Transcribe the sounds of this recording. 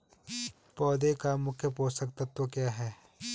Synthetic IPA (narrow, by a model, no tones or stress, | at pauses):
pɔːd̪ekamʊkʰjəpoːsɐk̚t̪at̪okjaːɦɛː